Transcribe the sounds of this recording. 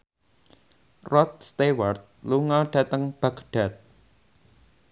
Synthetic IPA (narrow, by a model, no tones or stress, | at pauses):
rɔt̪̚st̪ewart̪̚luŋɔɖ̥ä̤t̪əŋb̥akɖ̥a̤t̪̚